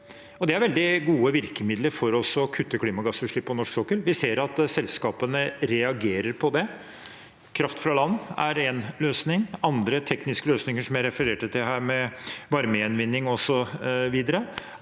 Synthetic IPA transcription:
ɔd̪ɛæɾʋɛld̪ɪɡuːəʋɪɾkəmɪd̪ləɾfɔɾɔsɔkʰʉt̪ːəkʰliːmɑɡɑsʉːʂɭɪpːɔnɔʂksɔkːəlʋɪseːɾɑt̪sɛlskɑːpənəɾɛɑɡeːɾəɾpʰɔd̪ɛ | kʰɾɑft̪fɾɑlɑnːæɾɛnløːsnɪŋɑnd̪ɾət̪ʰɛknɪskəløːsnɪŋəʂɔmjæɪɾɛfəɾeːʈət̪ʰɪlɦæːɾmɛʋɑɾməɛnʋɪnːɪŋɔsɔʋiːd̪əɾə

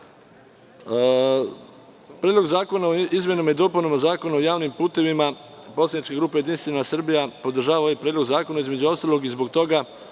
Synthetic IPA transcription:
pɾed̪lo̞ɡzaːko̞naoizmjenamaid̪o̞ːpunomazaːko̞naojaːʋnimpuːt̪e̞ʋimaposlad̪nit͡ʃkeɡɾuːpejed̪inst̪ʋenasr̩bijapo̞d̪r̩ʒaːʋaojepɾeːd̪lozaːko̞naizmed͡ʑuo̞st̪alo̞ɡizbo̞ɡ̚t̪o̞ɡa

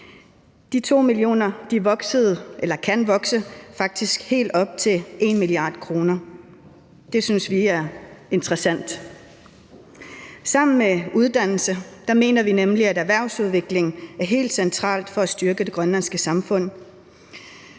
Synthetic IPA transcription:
d̥it͡sʰo̝̰ːmilio̝̰ːnɐd̥iʋɒ̽ɡ̥səð̩ˠʔelɐkʰænʋɒ̽ɡ̥səfɑ̈ɡ̥̚d̥isɡ̥he̝̰ːld̥ɒ̽b̥̚t͡sʰe̝lʔe̝nmiliɑ̈ːd̥kʰʁo̝ːnɐ | d̥e̝synsʋiæɐe̝nd̥ʁɐsæn̰d̥ | sɑ̈m̰n̩meuð̞ˠd̥æn̰l̩səd̥ɑ̈me̝̰ːnɐʋinemliæɾæʋæɐ̰ʊsuð̞ˠʋe̝ɡ̥le̝ŋæɐɦe̝̰ːld̥sent͡sʰʁɑ̰̈ːld̥fɒ̽æsd̥yɐɡ̥əd̥e̝ɡ̥ʁɶnlænsɡ̥əsɑ̈mfɔ̽n̰

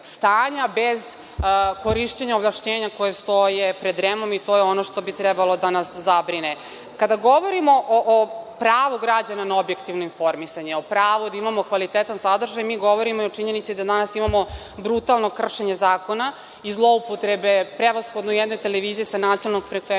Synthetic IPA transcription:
st̪aːɲabez | koɾiʃt͡ɕeɲaoblˠaʃɲeːɲako̞jest̪o̞jepɾed̪ɾemomit̪o̞ːjeo̞noʃt̪o̞bit̪ɾɛbalo̞d̪anaszabɾine | kad̪aɡo̞ʋoɾimoʔoʔopɾaːʋuɡɾad͡ʑananaobje̞kt̪iʋnoinfo̞ɾmisaɲeopɾaːʋod̪aimamo̞kʋalit̪et̪ansad̪r̩ʒajmiːɡo̞ʋoɾimoiot͡ʃiɲe̞nit̪sid̪ad̪anasimamo̞ | bɾut̪alˠno̞kr̩ʃeɲe̞zaːko̞na | izlˠo̞upot̪ɾebe̞pɾeʋasxo̞d̪nojɛd̪not̪eleʋiːzijesanat̪ionalnoɡfɾekʋe

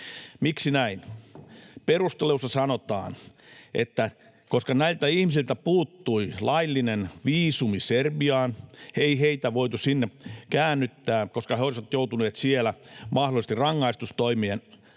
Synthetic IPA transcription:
miksinæin | perust̪eleusɑsɑnot̪ɑ̰ːn | ʔḛt̪ːæ | koskɑnæilt̪æihmisilt̪æpuːt̪ːuilɑilːinenʋiːsumiserbiɑːneiheit̪æʋoit̪usinːekæːnːyt̪ːæːkoskɑheoisʋɑt̪jout̪uneːt̪sielæmɑhdolis̆t̪irɑŋːɑist̪ust̪oimien

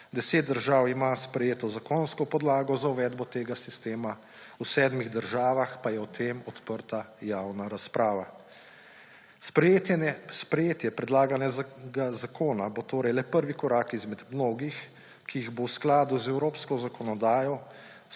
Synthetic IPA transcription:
d̪ɛseːt̪̚d̪əɾʒaːwimaspɾɛjeːt̪ɔzakoːnskɔpɔd̪laːɡɔzauʋɛːd̪bɔt̪eːɡasist̪eːma | usɛːd̪miɣd̪əɾʒaːʋaxpajɛwt̪ʰeːmɔt̪pəɾt̪ajawnaɾaspɾʔaːʋa | spɾ | spɾɛjeːt̪jɛpɾɛd̪laːɡanjaɡazakʰoːnabot̪oːɾɛjlɛpəɾʋikɔɾaːkizmɛd̪mnoːɡix | kiiɣbowsklaːd̪uzɛwɾoːpskɔzakɔnɔd̪aːjɔ

